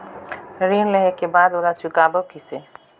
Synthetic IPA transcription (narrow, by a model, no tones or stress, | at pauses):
ɾiːnleɦekebaːd̪oːlat͡ʃʊkaːbəkise